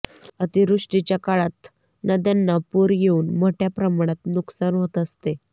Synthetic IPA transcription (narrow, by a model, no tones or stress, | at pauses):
ət̪iɾuʂʈit͡ɕjakaɭat̪ | nəd̪janːapuɾjeuːnm̤oʈʰjapɾəmaɽ̃at̪nuksanɦot̪əst̪e